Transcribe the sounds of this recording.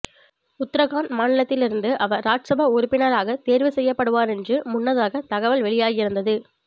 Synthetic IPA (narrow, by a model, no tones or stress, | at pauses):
ʊt̪ːɾɐɣaːnmaːnɪlɐt̪ːɪlɪɾɯnd̪ɯʔɐʋɐɾːaːʈsɐbʱaʊɾʊpːɪnɐɾaːɣɐt̪eːɾʋɯsɛjːɐpːɐɽɯʋaːɾɛndrɯmʊnːɐðaːɣɐt̪ɐɣɐʋɐlʋɛɭɪjaːɣɪɾɯnd̪ɐðɯ